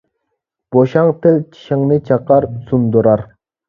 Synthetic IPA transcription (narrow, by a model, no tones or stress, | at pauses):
b̥oʃɑŋt̪ʰɪlt͡ʃʰi̥ʃɪŋnɨt͡ʃʰɑqɑɾsund̪uɾɑɾ